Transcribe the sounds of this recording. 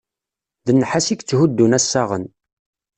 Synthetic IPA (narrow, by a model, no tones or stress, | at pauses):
ðənːħasikt͡sːɦud̪ːunæsːaʁə̰n